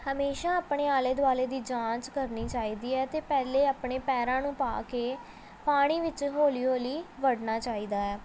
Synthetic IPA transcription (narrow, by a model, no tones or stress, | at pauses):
həmeːʃaːaːpɳeːaːleːd̪ʊaːleːd̪iːd͡ʒãːt͡ʃkəɾniːt͡ʃaːiːd̪iːɛːt̪eːpɛːleːaːpɳeːpɛːɾãːnũːpa̰ːkeː | paːɽ̃iːʋɪt͡ʃɦoːliːoːliːʋəɽnaːt͡ʃaːiːd̪aːɛː